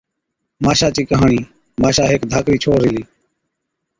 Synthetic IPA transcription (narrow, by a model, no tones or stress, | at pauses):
maːʃaːt͡ʃiːkəɦaːɳiː | maːʃaːɦeːkd̪ʱaːkɾiːt͡ʃʰoːɾɦɪliː